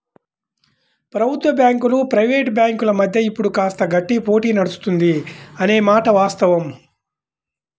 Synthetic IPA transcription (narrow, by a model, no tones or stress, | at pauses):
pɾɐbʱut̪ʋɐbjaːŋkulupɾɐjʋeːʈbjaːŋkulɐmɐd̪ʱjɐipːuɽukaːst̪ɐɡɐʈːipo̞ːʈiːnɐɽust̪und̪iɐne̞ːmaːʈɐʋaːst̪ɐʋɐm